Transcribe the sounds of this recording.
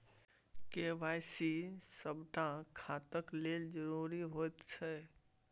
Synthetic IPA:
kebajsisəbʱʈãkʰat̪əkleld͡ʒəɾuɾiɦot̪t͡ʃʰə

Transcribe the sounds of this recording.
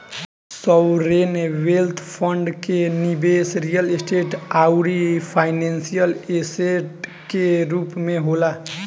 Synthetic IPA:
sɔwɾenwelt̪ʰpʰəɳɖkenibesɾijəlesʈeʈawɾipʰajnensijəleseʈ | keɾupmeɦola

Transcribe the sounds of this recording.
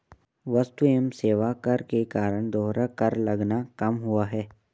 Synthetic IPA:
ʋɐst̪uemseːʋakɐɾkekaːɾəɽ̃d̪oːɦɾakɐɾlɐɡnakɐmɦʊaɦɛː

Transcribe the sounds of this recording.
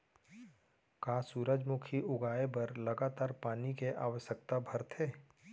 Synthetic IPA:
kaːsuːɾəd͡ʒmʊkʰiʔʊɡaːebɐɾlɐɡaːt̪aːɾpaːnikeʔa̰ːʋəʃjək̚t̪abʱɐɾt̪ʰeː

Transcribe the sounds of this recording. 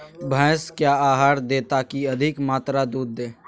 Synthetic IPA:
bʱəːskjaaːɦaːɾd̪eːt̪akiɐd̪ʱɪkmaːt̪ɾad̪uːd̪ːẽː

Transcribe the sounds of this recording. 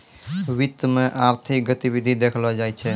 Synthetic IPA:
wit̪ːmeʔaɾt̪ʰik̚ɡət̪ibid̪ʱid̪ekʰlɔd͡ʒajt͡ʃʰɛ

